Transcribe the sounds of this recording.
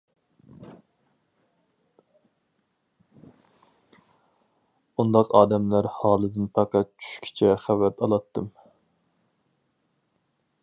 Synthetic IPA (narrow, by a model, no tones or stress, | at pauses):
und̪ɑqɑːd̪ɛmlæɾhɑːlˠɨd̪ɨnpʰæqæt̪̚t͡ʃʰy̥ʃkʲʰi̥t͡ʃʰɛχæwɛt̪ʰɑlˠɑt̪ːɨm